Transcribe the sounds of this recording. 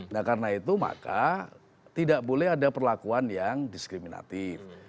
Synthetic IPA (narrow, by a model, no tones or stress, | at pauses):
nakarənait̪uma̰ka̰ | t̪idaʔbolɛɦadapərlakuanjaŋdiskɾimina̰t̪ɪf